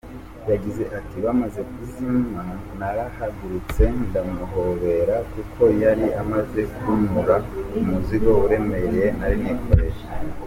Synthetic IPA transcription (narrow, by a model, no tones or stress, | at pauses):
jaɡize̞ʔatiβamaze̞kuzimanaɾahaɡuɾut͡se̞ndamuɦo̞βe̞ɾakukʰo̞jaɾiʔamaze̞kunuɾaumuziɡo̞uɾe̞me̞ɾejenaɾinikʰo̞ɾe̞ʃa